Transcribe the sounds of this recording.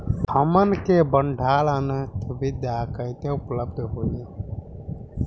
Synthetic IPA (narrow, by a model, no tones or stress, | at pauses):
həmənkebəɳɖʱaːlənt̪əbid̪jakəjt̪eʊpləb̚d̪ʱɦole